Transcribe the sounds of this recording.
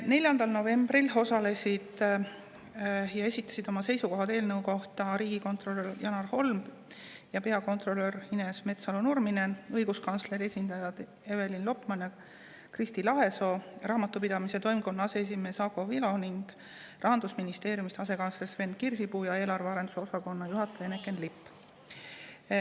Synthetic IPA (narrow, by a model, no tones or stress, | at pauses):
ne̞lʲjɑnd̪̥ɑlno̞ve̞mb̥rilo̞sɑle̞sʲid̪̥ | jɑe̞sit̪ːˑɑ̥sid̪o̞mɑse̞jsuko̞ɦɑt̪e̞ːlnɤwko̞ht̪ɑɾiːɡ̥iko̞nt̪ro̞lørjɑnɑrho̞lmb̥ | jɑpe̞ɑko̞nt̪ro̞lːø̞rine̞sme̞t̪sɑlonurmine̞ɤjɡuskɑnsle̞ɾie̞sʲind̪̥ɑjɑd̪̥ | e̞ve̞linlo̞pmɑnjɑ | krist̪ilɑɦe̞so̞rɑːmɑt̪ːˑupid̪̥ɑmise̞t̪o̞jmko̞nːɑsees̬ime̞ːsɑko̞vilo̞niŋɡ̥ | rʔɑɦɑnd̪̥usminist̪e̞ːɾjumist̪eɑse̞kɑnslesve̞n̚kirsipuːjɑe̞ːlɑrve̞ɑɾe̞nd̪uso̞sɑko̞nːɑjuɦɑt̪ːˑejɑenekːˑe̞nlipːˑ